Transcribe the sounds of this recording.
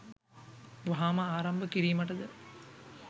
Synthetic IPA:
ʋɐɦaːmɐaːɾɐmbʱɐkiɾijmɐʈɐd̪ɐ

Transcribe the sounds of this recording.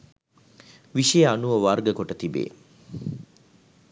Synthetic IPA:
ʋiʃijəanuʋəʋaɾɡəkoʈət̪ibḛː

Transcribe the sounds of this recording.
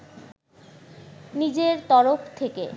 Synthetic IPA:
nid͡ʑeɾt̪ɔɾoft̪ʰekḛ

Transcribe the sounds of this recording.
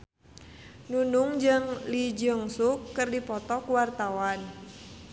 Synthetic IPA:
nunuŋd͡ʒɨŋlid͡ʒəŋsukːɨrdipɔt̪ɔkuwart̪awan

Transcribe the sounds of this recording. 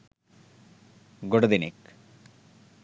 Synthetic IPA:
ɡoɽɐd̪inḛk

